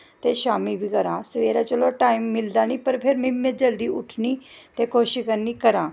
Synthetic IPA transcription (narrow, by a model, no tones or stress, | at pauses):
t̪eʃaːmibʱikəɾãːsʋeːɾat͡ʃəloʈaːimːɪld̪aːñiːpəɾpʰeːɾmimːẽd͡ʒɐld̪iːʔʊʈʰniːt̪ekoːʃikəɾniːkəɾãː